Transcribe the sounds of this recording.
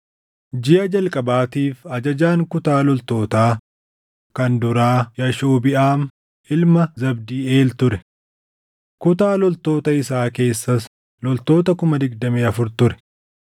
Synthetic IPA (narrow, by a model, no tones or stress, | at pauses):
d͡ʒɪʔɐd͡ʒɐlkʼɐbaːt̪iːfɐd͡ʒɐd͡ʒaːŋkʊt̪aːlɔlt̪o̞ːt̪aː | kɐnd̪ʊɾaːjɐʃoːbɪʔaːm | ʔɪlmɐzɐbd̪iːe̞ːlt̪ʊɾɛ | kʊt̪aːlɔlt̪o̞ːt̪ɐɪsaːke̞ːsːɐs | lɔlt̪o̞ːt̪ɐkʊmɐd̪ɪɡd̪ɐmeːɐfʊɾt̪ʊɾɛ̥